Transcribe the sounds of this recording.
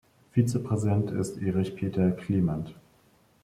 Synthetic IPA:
fiːt͡səpʁ̥ɛzidɛntʰɪ̰stʔeːʁɪçpʰeːtʰɐkʰl̥iːmant

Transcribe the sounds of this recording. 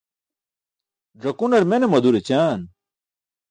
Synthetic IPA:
ɖɐkunɐɾmenemɐd̪uɾet͡ɕaːn

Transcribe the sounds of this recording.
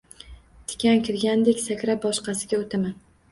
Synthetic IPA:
t̪ʰɪ̥kʲʰankʲʰɪɾɡʲand̪ekʲsakʲɾabɒʃqɑsɪɡʲaot̪ʰaman

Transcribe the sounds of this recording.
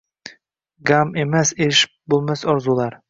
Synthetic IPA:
ɡame̞maseɪʃ | bolˠmasɒɾzulˠaɾ

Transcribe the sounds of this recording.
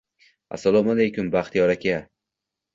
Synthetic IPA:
a̰sːalˠɒmalejkʊmbaχt̪ʰijɒɾakʲa

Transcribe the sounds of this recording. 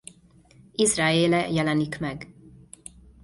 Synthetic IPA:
izraːeːlɛjɛlɛnikmɛɡ

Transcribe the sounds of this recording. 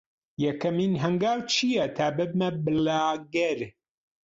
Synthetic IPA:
jɐkɐminɦɐŋɡaːwt͡ʃʰijɐt̪ʰaːbɐb̚mɐbɨlaːɡɐɾ

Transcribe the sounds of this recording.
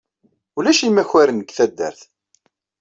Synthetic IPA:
ulæʃimæçwæɾənəɡθæd̪ːə̰ɾθ

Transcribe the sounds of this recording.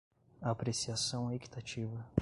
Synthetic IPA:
ɐːpɾesiasɐ̃w̃eki̥t̪at͡ʃivɐ

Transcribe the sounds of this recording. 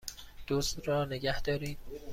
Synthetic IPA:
d̪̥ozd̪ɾɒːneɡæhd̪̥ɒːɾiːd̪

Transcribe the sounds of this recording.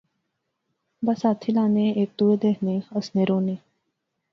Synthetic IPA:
bəsat̪ʰilaneek̚t̪ued̪eɦneəsneɾone

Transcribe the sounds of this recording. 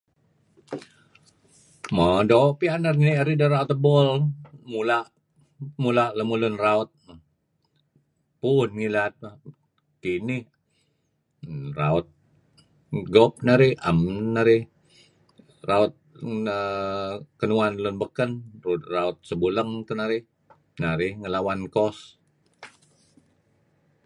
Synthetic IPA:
mədopianaɾiniaɾidəɾaut̪əbɔlmulaʔ | mulaʔləmulʊnraʊt̪̚ | punŋilat̪̚ma | kinɪh | ra̰ʊt̪̚ | ɡɔp̚naɾɪhəmːaɾɪh | raʊt̪̚ə | kənuanlʊnbəkənruraʊt̪̚səbuləŋt̪ənaɾɪ | naɾɪhŋəlawankɔs

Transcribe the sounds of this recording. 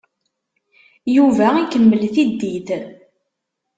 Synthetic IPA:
juvæikːəmːəlθid̪ːið

